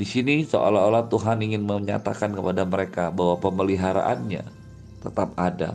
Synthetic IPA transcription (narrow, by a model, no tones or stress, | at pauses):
disiniso̰ʔa̰laolat̪uɦaniŋɪnməɲa̰t̪akankəpadaməɾekabaɦwapəməliɦaɾa̰ʔanɲa̰ | t̪ət̪ap̚ada̰